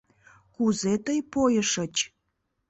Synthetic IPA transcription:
kuzet̪əjpojəʃət͡ɕ

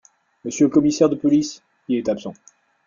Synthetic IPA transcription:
məsjøləkɔmisɛʁd̪əpɔlis | iɛt̪apsɑ̰̃

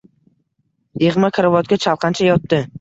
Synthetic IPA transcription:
jeʁmakʰaɾavɒt̪̚ɡʲat͡ʃʰalˠqʰɑnt͡ʃʰajɒt̪ːɪ

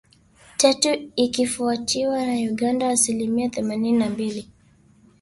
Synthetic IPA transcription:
tatuikifuatʰiwanauɠandaːsilimiaθɛmanininambili

